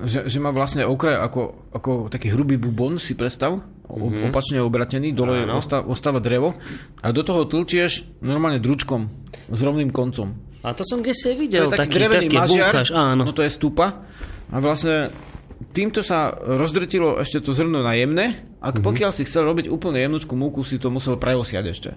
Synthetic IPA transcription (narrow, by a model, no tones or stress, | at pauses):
ʒɛʒɛmaʋlasɲɛɔkɾaja̰kɔ | akɔt̪akiːɦɾubiːbubɔnsipɾɛst̪aʊ | ɔ̰ɔpat͡ʃɲɛɔbɾacɛniːd̪ɔlɔjɛɔst̪aʔɔst̪aːʋad̪ɾɛʋɔ | ʔad̪ɔt̪ɔɦɔt̪lt͡ɕɪɛʒ | nɔɾmaːlɲɛd̪ɾut͡ʃkɔm | zɾɔʊniːmkɔnt͡sɔm | at̪ɔsɔmɡɟɛsiaʋiɟɔɛɛlt̪aiːd̪ɾɛʋɛaiaʒɪaɾʃaːnɔnɔt̪ɔjɛst̪upa | ʔaʋlasɲɛ | t̪iːmt̪ɔsaɾɔzd̪r̩cilɔʔɛ̰ʃcɛt̪ɔzɦr̩ɔnunajɛmnɛ | ʔa̰kpɔkɪalsixt͡sɛlɾɔbiɟuːpl̩ɲɛjɛmnɔt͡ʃkumuːkusit̪ɔmusɛlpɾɛɔsɪa̰ɟɛʃcɛ̰